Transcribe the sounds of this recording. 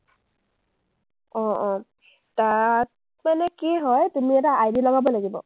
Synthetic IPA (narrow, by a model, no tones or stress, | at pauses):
ɔ̃ɔ̃ | tat | manɛkiɦɔjtumiɛtaʔajdilɔɡabɔlaɡibɔ̰